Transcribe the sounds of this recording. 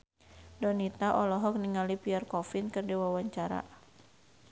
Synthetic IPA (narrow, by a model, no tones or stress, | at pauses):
dɔnit̪aʔɔlɔɦɔk̚niŋalipiarkɔfɪnkɨrdiwawaɲt͡ʃaɾa̰